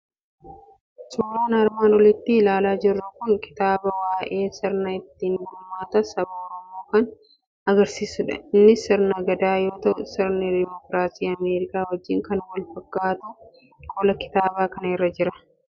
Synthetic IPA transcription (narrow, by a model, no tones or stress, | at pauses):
suːɾaːnɐɾmaːnwɔlɪt̪ːɪlaːlaːd͡ʒɪrːɐkʊnkɪ̥t̪aːbɐwaːʔe̞ːsɪɾnɐɪt̪ːiːnbʊmːaːt̪ɐsɐbaɔɾɔmo̞ːkɐn | ɐɡɐɾsiːsʊᶑɐ̰ɪnːɪsɪɾnɐɡɐd̪aːjo̞ːt̪ɐʔʊsɪɾnɪd̪ɪmɔkɾaːsiːɐmeːɾɪkaːwɔd͡ʒːɪŋkɐnwɐlfɐkːaːt̪ʊ | kʼɔlɐkɪ̥t̪aːbaːkɐnɐɛrːɐd͡ʒɪɾɐ